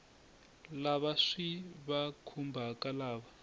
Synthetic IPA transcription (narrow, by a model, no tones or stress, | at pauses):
laβaʂiβakʰumbʱakʼalaːβa